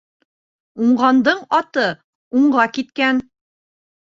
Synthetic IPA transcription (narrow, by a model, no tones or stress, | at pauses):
uɴɢɑnd̪ɤɴɑt̪ɤ | uɴʁɑkit̪kæn